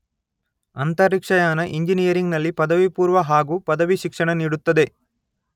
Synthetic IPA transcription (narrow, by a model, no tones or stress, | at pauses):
ɐnt̪ɐɾikʂɐjaːnɐʔiɲd͡ʒinijɐɾiŋɡnɐlːipɐd̪ɐʋipuːɾʋɐɦaːɡuːpɐd̪ɐʋiʃikʂɐɳɐniːɽut̪ːɐd̪e̞